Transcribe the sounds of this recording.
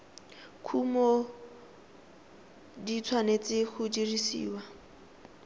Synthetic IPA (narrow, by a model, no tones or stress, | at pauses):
kʰumo | dit͡sʰwanet͡sɪxudirisḭːwa